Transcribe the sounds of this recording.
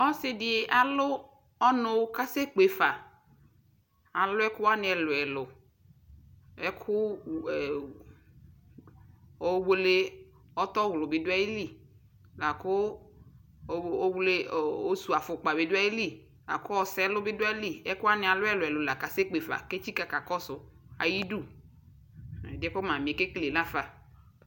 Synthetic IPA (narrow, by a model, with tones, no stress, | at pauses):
ɔ˦sɪ˦dɪ˨e˨ʔa˨lʊ˦ | ɔ˦nʊ˨˦ka˦se˦k͡pe˨fa˨ | a˨lʊ˦ɛ˦kʊ˦wa˦nɪ˨ɛ˨lʊ˨ɛ˨lʊ˨ | ɛ˦kʰʊ˦˨ | ɔ˦wo˦le˦ | ɔ˦t̪ɔ˦ɣlʊ˨bɪ˨dʊ˦a˦i˦li˦˨ | la˨kʊ˦˨˦ | o˦wle˦˨o˦su˨a˨fʊ˨k͡pa˨bɪ˨dʊ˦a˦ji˦li˦˨ | la̰˨kʊ˦ɔ˦sɛ˦lʊ˦bɪ˦dʊ˦ɛ˦li˦˨ɛ˦kʊ˦a˦nɪ̃˨a˨lʊ˦ɛ˦˨lʊ˨ɛ˨lʊ˨la˨ka˨se˦k͡pe˨fa̰˨ke˦t͡ʃi˦ka˨ka˨kɔ˦sʊ˨ | a̰˨ji˦du˦˨ | dɪ˦kʊ˦mã˨mɪ̃˨ke˦kle˨nã˦fa˨